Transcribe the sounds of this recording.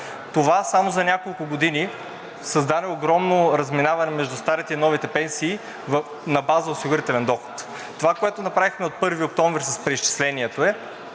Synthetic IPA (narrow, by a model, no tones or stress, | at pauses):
t̪ovasamozɐnʲakolˠkʊɡod̪ini | sɐzd̪anɛoɡɾɔmnoɾɐzminavɐnɛmɛʒd̪ust̪aɾit̪ɛinɔvit̪ɛpɛnsiː | v | nɐbazɐosiɡʊɾit̪ɛlɛnd̪ɔxo̥t̪ | t̪ovakoɛt̪onɐpɾavixmɛot̪̚pɤɾviok̚t̪ɔɱvɾisɐspɾɛist͡ʃi̥slɛniɛt̪oɛ